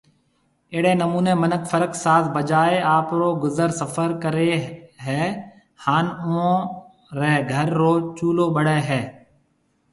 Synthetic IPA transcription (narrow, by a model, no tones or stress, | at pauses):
ɪːɽeːnəmuːneːmənəkfʰəɾəksaːt̪ʰbəd͡ʒaːeaːpɾoːɡʊzəɾsəfʰəɾkəɾeːɦɛː | haːnõ | ɾɛːɡʱəɾːoːt͡ʃuːloːbəɽeːɦɛː